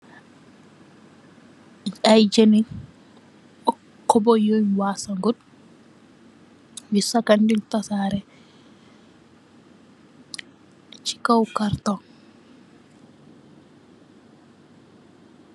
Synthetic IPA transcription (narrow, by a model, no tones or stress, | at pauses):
ajd͡ʒɛni | ɔ | kːɔbɔjɔjnwaːsɐŋɡɔd | wisːɐkɐndint̪ɐsaːɾɛ | t͡ʃi̥kawkɐɾt̪ɔ